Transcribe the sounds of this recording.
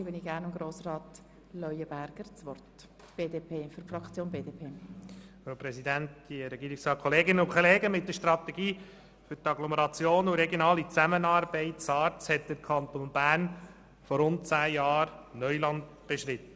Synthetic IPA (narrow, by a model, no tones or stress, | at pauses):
ɪbəniɡæːnʊmɡɾoːsrɑːt̪ | lœʏəbæɾɡ̥əɾt͡sʋɔrt | b̥eːdepʰeːfyɾfɾɑkt͡sjoːnbeːdeːpʰeːfɾoːpɾɛsidæntd̥iəɾɛɡiːɾɪksɾɑːkʰɔleːɡɪnəʊkʰχɔleːɡəmɪtdəɾʃtɾɑt̪ɛɡiː | fʏɾtɑɡloməɾɑt͡sjoːnuɾɛɡjonɑːlit͡sæmənɑːɾbɛɪtt͡sɑːɾtt͡shɛt̚d̥̪əɾkʰɑnt̪onbæːɾn | fɔɾʊnt̚t͡sæːjɑːɾnœʏlɑnt̪ | b̥eʃɾɪt̪ə